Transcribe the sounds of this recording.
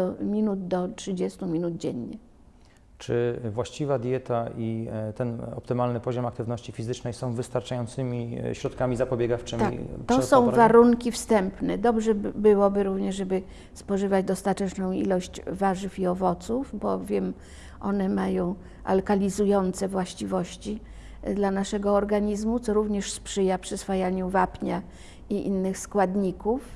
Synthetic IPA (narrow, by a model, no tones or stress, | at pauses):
mʲinud̪d̪ɔtʂɘd͡ʑɛst̪umʲinud̪̚d͡ʑɛɲːɛ | t͡ʂɘvwaɕt͡ɕivad̪ʲjɛt̪ait̪ɛnɔ̰pt̪ɘmalnɘpɔʑɔmak̚t̪ɘvnɔɕt͡ɕifʲizɘt͡ʂnɛjsɔ̃w̃vɘst̪aɾt͡ʂajɔnt̪sɘmʲiɕɾɔt̪kamʲizapɔbʲɛɡaft͡ʂɘma̰t̪ɔsɔ̃w̃vaɾuŋkʲifst̪ɛmpnɛd̪ɔbʐɛbɘwɔbɘɾuvɲɛʂʐɛbɘ | spɔʐɘvad͡ʑd̪ɔst̪at̪ɛt͡ʂnɔ̃w̃ḭlɔɕt͡ɕvaʐɘfiɔvɔt̪sufbɔvʲjɛm | ʔɔ̰nɛmajɔ̃w̃ | ʔa̰lkalʲizujɔnt̪sɛvwaɕt͡ɕivɔɕt͡ɕi | d̪lanaʂɛɡɔːɾɡaɲizmut̪sɔɾuvɲɛʂspʂɘjapʂɨsfajaɲuvapɲa | iʔḭnːɘxskwad̪ɲikuf